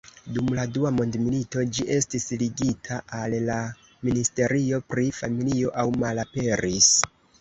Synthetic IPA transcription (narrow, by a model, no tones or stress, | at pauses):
dumladuamo̞ndmilito̞d͡ʒiʔe̞stisliɡitʰaʔalla | ministe̞ɾio̞pɾifamilio̞ʔawmalape̞ɾis